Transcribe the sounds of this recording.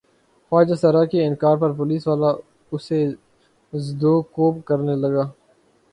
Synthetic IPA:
faːd͡ʒaːsɐɾaːkeɪnkaːɾpɐɾpʊliːsʋaːla | ʊse | zd̪oːkoːpkɐɾnelɐɡaː

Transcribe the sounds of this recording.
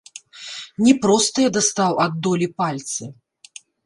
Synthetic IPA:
nʲɛpɾɔst̪ɨjɛd̪ast̪awʔad̪ːɔlʲipalʲt̪sɨ

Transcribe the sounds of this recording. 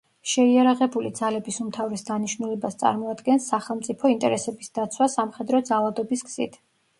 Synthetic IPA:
ʃɛiaɾaʁɛbulid̪zalɛbisumt̪ʰavɾɛsd̪aniʃnulɛbast̪sʼa̰ɾmɔad̪ɡɛnsːaχɛlˠmt̪sʼipʰɔint̪ʼɛɾɛsɛbisd̪at̪sʰwasamχɛd̪ɾɔd̪zalˠad̪ɔbisɡz̥ḭt̪ʰ

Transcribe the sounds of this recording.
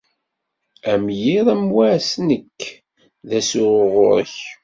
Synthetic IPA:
æmjiðˤæmwæʕsnəkː | ðæsʊʁo̰ɾç

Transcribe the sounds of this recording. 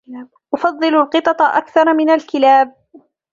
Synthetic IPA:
ʔʊfɑðˤːɨlʊlqɨt̪ˤɑt̪ˤɑʔakθɑɾˤmɪnalkɪlaːb̚

